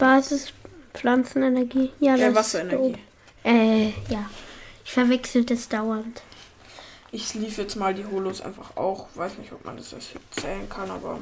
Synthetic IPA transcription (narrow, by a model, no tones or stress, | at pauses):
b̥aːzɪsflant͡sn̩ɛnɛɐɡiːjaːdvasɐenɛɐoːiː | ʔɛːjaːɪçfɛɐvɛksl̩d̥asd̥aʊɐnt | ʔɪçliːfjɛt͡smaːldiːɦoːlosʔa̰ɪnfaχa̰ʊxv̥aɪsnɪçtɔp̚ma̰ndasjɛst͡sɛːlənkʰanʔa̰ːbɐ̰